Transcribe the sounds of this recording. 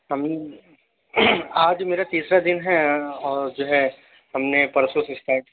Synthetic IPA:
ɦɐmne | aːd͡ʒmeːɾat̪iːsɾad̪ɪnɦɛɔːɾd͡ʒoːɦɛ | ɦɐmnepɐɾəsosɪsʈ̪aːʈ

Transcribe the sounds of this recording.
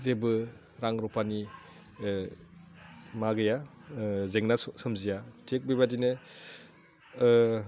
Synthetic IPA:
zebɯ | ɾaŋɾɔpʰani | maɡɯja | zeŋnasɯmzijatʰek̚bibadinɯ

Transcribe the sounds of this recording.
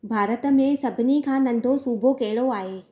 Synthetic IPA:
bʱaːɾət̪ə̆mẽsɐbʱɪnikʰãːnɐ̃n̆d̪ʱosuːbʱokeɦɪɭoaːɦeː

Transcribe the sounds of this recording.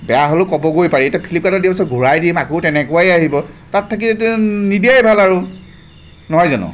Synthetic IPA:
bɛjaɦolokɔbɔɡojpaɹietapʰilipkadɔdiapisɔt̚ɡʱuɹajdimakowtɛnɛkʊwajaɦibɔtatʰːak̬izetɛnidiajbʱalaɹʊ | nɔɦɔjzanʊ̰

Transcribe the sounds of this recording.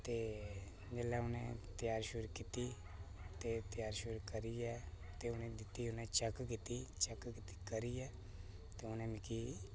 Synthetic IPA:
t̪eː | d͡ʒelaʊnẽt̪ɪjaːɾʃʊɾkit̪i | t̪et̪ɪjaːɾʃʊɾkəɾiɛː | t̪eʊnẽd̪ɪt̪iʊnẽt͡ʃəkkit̪it͡ʃəkkit̪i̥kəɾijɛː | t̪eʊnẽːmɪki

